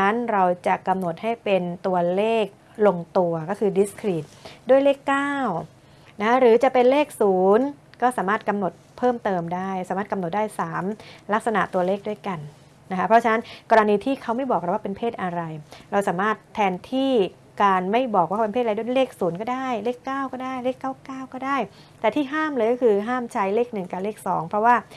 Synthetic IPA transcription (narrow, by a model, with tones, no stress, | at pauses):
nɾa˧wt͡ɕa˨˩ʔka˧mno˨˩t̪̚ha˥˩jpe˧nt̪u˧ɐleː˥˩k̚ | lo˧ŋt̪u˧ɐkɔː˥˩kʰɯː˧di˦˥skʰɾiː˨˩t̪̚du˥˩əjleː˥˩kːaː˥˩w | na˦˥kʰa˦˥ɾɯː˩˦t͡ɕa˨˩ʔpe˧nleː˥˩k̚suː˩˦nkɔː˥˩saː˩˦maː˥˩t̪̚ka˧mno˨˩t̪̚pʰɤː˥˩mt̪ɤː˧mdaː˥˩jsaː˨˦maː˥˩t̪̚ka˧mno˨˩t̪̚daː˥˩jsaː˩˦mla˦˥k̚sa˧na˨˩ʔt̪u˧ɐleː˥˩k̚du˥˩əjka˧n | na˦kʰa˦˥pʰɾɔ˦˥t͡ɕʰa˧na˦˥nkɔː˧ɾa˧niː˧t̪ʰiː˥˩kʰa˦˥wma˥˩jbɔ˨˩kɾa˦˩waː˥˩pe˧npʰeː˥˩t̪̚ʔa˧ɾa˧jɾa˧wsaː˩˦maː˥˩t̪ʰːɛː˧nt̪ʰiː˥˩ | kaː˧nma˥˩jbɔː˨˩kwaː˥˩pe˧npʰeː˥t̪̚a˧dleː˥˩k̚suː˩˦nkɔː˥˩daː˥˩jleː˥˩kːaː˥˩wkɔː˥˩daː˥˩jleː˥˩kːaː˥˩wkaː˥˩wkɔː˥˩daː˥˩j | t̪ɛː˨˩t̪ʰiː˥˩ɦaː˥˩mlɤː˧jkɔ˥˩kʰɯː˧ɦaː˥˩mt͡ɕʰa˦˥jleː˥˩k̚nɯ˨˩ŋka˨˩leː˥˩k̚sɔ̰ː˩˦ŋpʰɾɔ˦˥waː˥˩